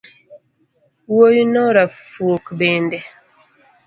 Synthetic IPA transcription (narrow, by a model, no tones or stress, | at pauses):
wojinɔɾafuokbɛndɛ